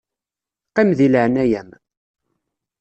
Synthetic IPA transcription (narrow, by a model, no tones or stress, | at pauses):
qːimðiləʕnæjæm